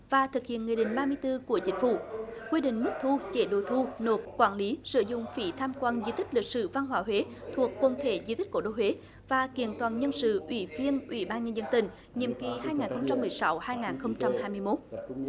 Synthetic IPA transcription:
vaː˨˩t̪ʰɨ˨˩k̚hḭ˧˨ənŋɨ˨˩jɗḭ̈˧˨ŋ̟ɓaː˧mɨ˧əjt̪ɨ˧ku˧˩ət͡ɕï˨˦ŋ̟fṵ˧˩˨kwi˧ɗḭ˧˨ŋ̟mɨ˦˥k̚t̪ʰu˧t͡ɕe˧˩ɗo˨˩t̪ʰu˧no˨˩p̚kwaː˧˩nli˨˦sɨ̰˧˨zʊ̰˧˨ŋ͡mfḭ˧˩t̪ʰaː˧mkwaː˧nzi˧t̪ï˦˥k̟̚li˨˩k̚sɨ̰˧˨va˧nɦwaː˧˩ɦwe˨˦t̪ʰu˨˩əkːwə˧˩nt̪ʰe˧˩zi˧t̪i̟˦˥ko˧˩ɗo˧we˨˦ | vaː˨˩ki˧˩ənt̪waː˨˩nɲə˧nsɨ̰˧˨ʔwḭ˧˩˦vi˧ənʔwi˧˩˦ɓaː˧nɲə˧nzə˧nt̪ï˨˩ŋ̟ | ɲḭ˨˧˨əmki˨˩ɦaː˧jŋaː˨˩nxə˧wŋ͡mt͡ɕa˧mːɨ˨˩əjsa˨˦whaː˧jŋaː˨˩nxə˧wŋ͡mt͡ɕa˧mhaː˧jmɨ˧əjmo˦˥t̚

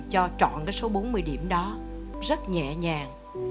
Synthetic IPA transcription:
t͡ɕɔ˧t͡ɕɔ̰˧˨nkaː˨˦jso˨˦ɓo˨˦nmɨ˧əjɗi˧˩əmɗɔ˨˦zə˦˥t̚ɲɛ̰˧˨ɲaː˨˩ŋ

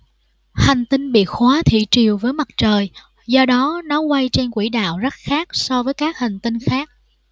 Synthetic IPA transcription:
ha˨˩ŋ̟t̪ï˧ŋɓḭ˧˨əxwaː˨˦t̪ʰḭ˧˨t͡ɕi˨˩əwvəː˨˦jma˨˩t̚t͡ɕəː˨˩j | zɔ˧ɗɔ˨˦nɔ˨˦kwa˧jt͡ɕe˧nkwḭ˧˩ɗa̰ː˧˨wzə˦˥t̚xaː˦˥k̚sɔ˧vəː˨˦jkaː˦˥k̚ha˨˩ŋ̟t̪i˧nxaː˦˥k̚

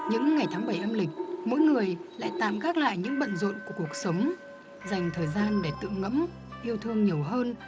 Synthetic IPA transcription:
ɲɨ̰˧˥ŋːa˨˩jt̪ʰaː˨˦ŋɓə˧˩jʔa˧mlï˨˩k̟̚mo̰˧˥jŋɨ˨˩əjla̰ː˧˨jt̪a̰ː˧˨mɣaː˦˥k̚la̰ː˧˨jɲɨ̰˧˥ŋɓə̰˧˨nzə̰˧˨nku˧˩əku˨˩ək̚sə˨˦wŋ͡m | za˨˩jŋ̟t̪ʰəː˨˩jzaː˧nɗe˧˩t̪ɨ̰˧˨ŋə̰˧˥m | ʔi˧əwt̪ʰɨ˧əŋɲi˨˩əwɦəː˧n

